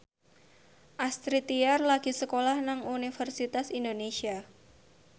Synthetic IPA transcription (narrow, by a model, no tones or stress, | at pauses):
ʔast̪ɾit̪iarlaɡ̥i̤səkolahnaŋunifərsit̪asindonesia